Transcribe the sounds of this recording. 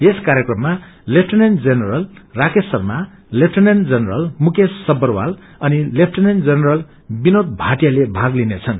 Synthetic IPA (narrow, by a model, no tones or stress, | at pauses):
eskaɾjekrʌmːalepʰʈʌnend͡zʌnerʌlrakesʌrma | lepʰʈʰʌnend͡zʌnrʌlmukesːʌbʌrwa̰l | ʌnilep̚ʰʈʰʌnend͡zʌnerʌl | binot̪̚bʱaʈjalebʱaɡlinet͡sʰʌn